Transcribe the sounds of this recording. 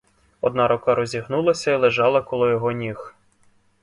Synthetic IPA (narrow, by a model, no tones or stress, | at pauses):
ɔd̪nɑɾɔkɑɾɔzʲiɦnulˠɐsʲɐilˠeʒɑlˠɐkɔlˠɪjɔɦɔnʲix